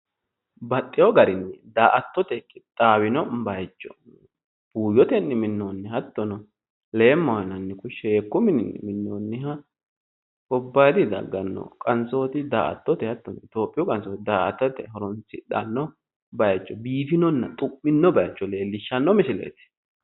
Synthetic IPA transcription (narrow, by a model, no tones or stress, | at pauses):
bɐt̪ʼːɪjɔɡɐɾɪnːɛd̪aːʔɐt̪ːɔt̪ɛkʼɪt̪ʼːaːwɪnɔbɐjt͡ʃʼːɔ̥̰ | b̥uːjɔt̪ɛnːɛmɪnːonːɛhɐt̪ːɔnɔ | le̞ːmːɐwɐnɐnːɪkʊʃːeːkːʊmɪnɪnːɪ̰mɪnːoːnːɪɦɐ | kɔbːɐjd̪ɪd̪ɐ̰ɡːɐnːɔ̰kʼɐnso̞ːt̪ɪd̪a̰ːʔɐ̰t̪ːɔt̪ɛhɐt̪ːɔnɔɪt̪o̞ːpʼːɪjɔkʼɐnsoːt̪ɪd̪aːʔɐ̰t̪ːɔt̪ɛ̰ɦɔɾɔnsɪɗɐ̰nːɔ | bɐjt͡ʃʼːɔbiːfɪnɔnːɐt̪ʼʊpʼːɪnːɔbɐjt͡ʃːɔle̞ːlːɪʃːɐnːɔmɪsɪlḛːt̪ɪ̥